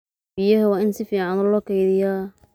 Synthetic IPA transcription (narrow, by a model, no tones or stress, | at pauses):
bɪjɐɦɐwɑːɪnsɪfiːʕɑnɔlɔːkɛjðɪja